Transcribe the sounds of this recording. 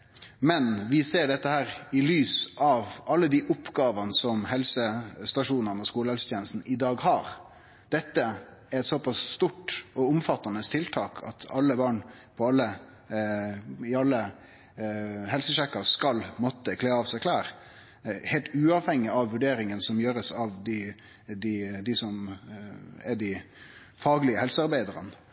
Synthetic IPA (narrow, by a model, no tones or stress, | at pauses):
mɛnʋɪseːɖɛt̪ːəhæːɾɪlyːsɑʋʔɑlːəd̪iʔʊpːɡɑːʋɑnəsɔmhɛlsəst̪ɑʂuːnənɔskuːləhɛlsət̪jeːnəst̪n̩ʔɪd̪ɑːɡhɑːɾ | d̪̥ɛt̪ːə | æɾɛt̪sɔpɑsst̪uʈɔʊmfɑt̪ːɑnəst̪ʰɪlt̪ʰɑːkʰɑ̰t̪ʰɑlːəbɑːɳ | pʰɔɑlːə | ɪɑlːə | ɦɛlsəʃɛkːɑskɑlmɔt̪ːəkʰleːɑʋsæɪkʰlæːɾ | heːlt̪ʉːɑʋhɛŋːɪɑʋʋʉɖeːɾɪŋənsɔmjøːɾəsɑʋd̪ɪ | d̪ɪd̪ɪsɔm | ɛd̪ɪ | fɑːɡlɪəhɛlsəɑɾbæɪd̪əɾə̰n